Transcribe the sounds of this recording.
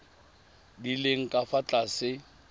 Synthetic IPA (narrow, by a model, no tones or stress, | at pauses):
dileŋ̩kʼafat͡ɬʼasɪ